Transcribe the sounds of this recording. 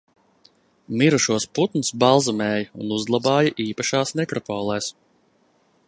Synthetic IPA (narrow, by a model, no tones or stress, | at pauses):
miɾuʃuɔsput̪nusbalˠzamɛːjɐṵnuzɡlˠabɑːjɐʔiːpaʃaːsmɛkɾɔpɔːlˠɛːs